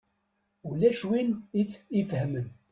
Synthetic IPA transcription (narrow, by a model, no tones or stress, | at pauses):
ulæʃwinififəhmən